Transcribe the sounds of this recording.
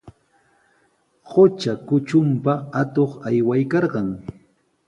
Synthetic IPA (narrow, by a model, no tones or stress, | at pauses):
ɢot͡ʃakʊt͡ʃʊmpaat̪oχajwajkɑɾɢɑŋ